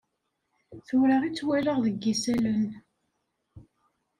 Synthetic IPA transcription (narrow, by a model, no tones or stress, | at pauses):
θuɾəʁit͡sːwæɾəʁðəɡːisælən